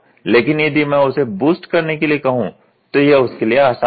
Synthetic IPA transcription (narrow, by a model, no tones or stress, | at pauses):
leːkɪnjɐd̪imɛ̃ːʊsebuːsʈkɐɾnekeliekɐɦũ | t̪ojeʊskelieaːsa